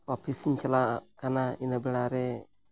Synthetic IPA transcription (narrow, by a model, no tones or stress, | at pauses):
ɔpisiɲt͡ʃɛlakanainabɪlaɾɛ